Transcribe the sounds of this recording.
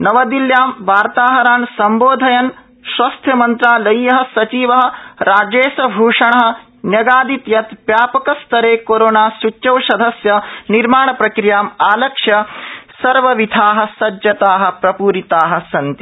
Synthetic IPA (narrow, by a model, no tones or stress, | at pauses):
nɐʋɐd̪iljaːmʋaːɾt̪aːɦɐɾaːnsɐmboːd̪ʱɐjɐn | ʃʋɐst̪ʰjɐmɐnt̪ɾaːlɐjːɐɦɐ̆sɐt͡ʃiːʋɐɦɐ̆ɾaːd͡ʒeːsɐbʱuːʂɐɳɐɦɐ̆ | njɐɡaːd̪it̪jɐt̪ʋjaːpɐkɐst̪ɐɾeːkoːɾoːnaːsut͡ʃːt͡ʃɐwʃɐd̪ʱɐsjɐniɾmaːɳɐpɾɐkɾijaːmaːlɐkʂjɐsɐɾʋɐʋid̪ʱaːɦɐ̆sɐd͡ʒjɐt̪aːɦɐ̆pɾɐpuːɾit̪aːɦɐ̆sɐnt̪i